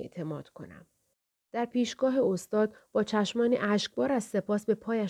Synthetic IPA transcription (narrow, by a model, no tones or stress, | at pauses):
t̪ʰe̞mɒːd̪̥kʰo̞̰næ̰m | d̪̥æɾpiːʃɡ̥ɒːɦeost̪ɒːd̪̚b̥ɒːt͡ʃʰæʃmɒːniːʔæʃc̚bɒːɾæzse̞pʰɒːsbe̞pʰɒːjæ